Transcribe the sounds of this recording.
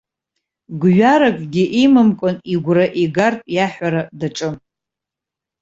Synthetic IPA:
ɡʷɥaɾakʼɡʲɪʔimɨmkʷʼʊniɡʷraʔiɡartʼjaħʷaɾadaʈ͡ʂʼɨm

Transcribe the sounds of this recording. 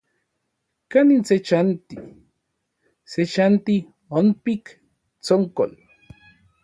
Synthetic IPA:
kanint͡set͡ʃant̪i | set͡ʃant̪i | onpik | t͡soŋko̰l

